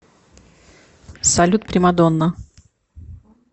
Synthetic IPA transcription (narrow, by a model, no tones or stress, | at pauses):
sɐlʲut̪̚pɾʲɪmɐd̪onːə